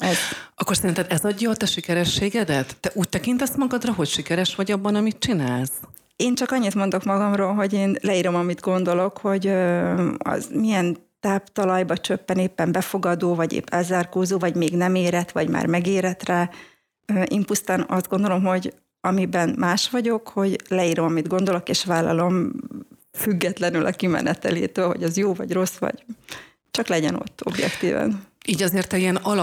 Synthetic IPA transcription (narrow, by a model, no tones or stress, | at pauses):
ɛz̥ɒkːo̞rsɛɾint̪ɛd̪ɛzɒɟːɒːt̪ɛʃikɛɾɛʃːeːɡɛd̪ɛt̪ːɛʔuːc̚t̪ɛkint̪ɛsmɒɡɒd̪rɒɦo̞cʃikɛɾɛʃʋɒɟɒbːɒnɒmit̪̚t͡ʃinaːls | eːnt͡ʃɒkɒɲːit̪mond̪o̞kmɒɡɒmroːlɦo̞ɟeːnlɛiːɾo̞mɒmid̪ɡo̞nd̪o̞lo̞kho̞ɟøɒ̰zmijɛnt̪aːpt̪ɒlɒjbɒt͡ʃøpːɛneːpːɛmbɛfo̞ɡɒd̪oːvɒɟḛːpːɛlzaːrkoːzoːvɒɟmeːɡnɛmeːɾɛt̪ʋɒɟma̰ːrmɛɡeːɾɛt̪rɛː | øʔiːmpust̪aːnɒzd̪̚ɡo̞nd̪o̞lo̞mɦo̞ɟ | ɒmibɛnmaːʃʋɒɟo̞kho̞ɟlɛiːɾo̞mɒmid̪ɡo̞n̪d̪o̞lo̞keːʃʋaːlːɒ̰lo̞m | fyɡːɛt̪lɛnylʔɒ̰kimɛ̰nʔɛ̰t̪ɛlḛːt̪øːlɦo̞̰ɟɒzjoːvɒ̰ɟro̞sʋɒ̰ɟ̥ | t͡ʃɒklɛɟɛno̞̰t̪ːo̞̰bjɛ̰kt̪ḭːvɛ̰niːɟɒzeːrt̪ɛiɛnɒlɒ